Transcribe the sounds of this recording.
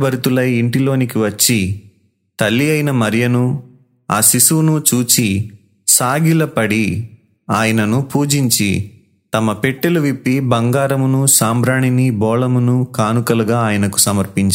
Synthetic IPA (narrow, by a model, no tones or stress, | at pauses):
bɐɾut̪ulɐjiɳʈilo̞ːnikiʋɐt͡ʃːi | t̪ɐlːiɐjinɐmɐɾjɐnu | aːsisuunut͡ʃuːt͡ʃi | saːɡilɐpɐɽi | aːjɐnɐnupuːd͡ʒiɲt͡ʃi | t̪ɐmɐpeʈːeluʋipːibɐŋɡaːɾɐmunusaːmbɾaːɳinibɔːlɐmunukaːnukɐluɡaːaːjɐnɐku̥sɐmɐɾpiɲt͡ʃ